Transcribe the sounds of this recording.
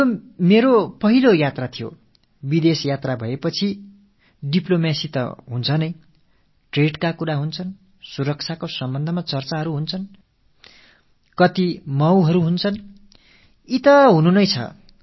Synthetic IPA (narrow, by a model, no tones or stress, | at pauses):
meɾopʌɦilojat̪rat̪ʰijo̰ | bid̪esjat̪rabʱʌepʌt͡sʰi | ɖiplomasit̪ʌ̰ɦunt͡sʰʌnʌj | ʈreɖkakuɾaɦunt͡sʰʌn | suɾʌk̚t͡sʰakosʌmbʌnd̪ʱʌmat͡sʌrt͡saɦʌɾuɦunt͡sʰʌn | kʌt̪imʌwɦʌɾuɦunt͡sʰʌn | it̪ʌɦununʌjt͡sʰʌ̰